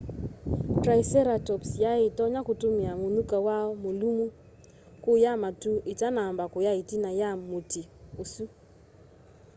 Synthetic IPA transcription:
tɾaisɛɾatɔpsjaɪtɔɲakʊtomɪamonukawaɔmolumu | kʊjamatuʔɪtanambakʊjaitinajamotiosu

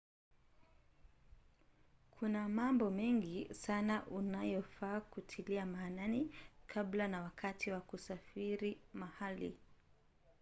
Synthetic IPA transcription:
kʰunamambɔmɛŋɡisanaʔunajɔfaːkutʰiliamaːnanikʰablanawakatiwakusafiɾimahalḭ

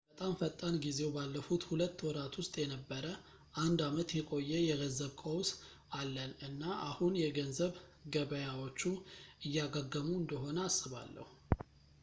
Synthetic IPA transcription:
bət̪ʼamfət̪ʼːanɡize̞wbalːəfut̪hulət̪ːwɔɾat̪wʊst̪ʼjɛnəbːəɾə | ʔand̪amət̪jɛkʼo̞jːɛjɛɡənzəβkʼows | alːənɨnːaʔahunjɛɡənzəβɡəβəjawo̞t͡ʃːuɨjːaɡəɡːəmuɨnd̪əɦo̞nəasːɨβa̰lːə̰hu

